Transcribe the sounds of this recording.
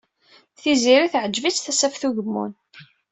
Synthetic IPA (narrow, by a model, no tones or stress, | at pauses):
θiziɾiθʕəd͡ʒːvit͡sθæsæfθuʝəmːṵn